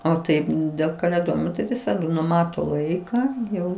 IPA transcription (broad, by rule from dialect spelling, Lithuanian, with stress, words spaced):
oː ˈtɐɪp dʲeːlˠ kɐlʲeːˈdoːjɪmoː tɐɪ ˈʋʲɪsɐdʊ nʊˈmɑːtoː ˈlˠɐɪkɑː ˈjɛʊ